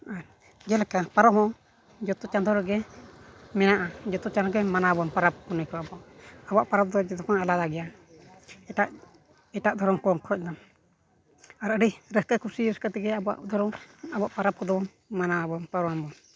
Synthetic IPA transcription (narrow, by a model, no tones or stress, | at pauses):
aɾ | d͡ʒɛlɛkapaɾɔmɦɔ | d͡ʒɔt̪ɔt͡ʃand̪ɔɾɛɡɛ | mɛnaʔad͡ʒɔt̪ɔt͡ʃand̪ɔɡɛmanabɔnpaɾap̚kunɛkɔabɔaʔːbɔwa̰ʔpaɾap̚d̪ɔd͡ʒɔd̪ɔkɔnalad̪aɡɛja | ɛʈaʔ | ɛʈaʔd̪ʱɔɾɔmkɔŋkʰɔc̚ˀna | aɾʔəɾiɾɛskakuɾsiɾɛkat̪ɛɡɛabɔa̰ʔd̪ʱɔɾɔŋabɔaʔpaɾap̚kɔd̪ɔbɔn | manabɔnpaɾɔambɔn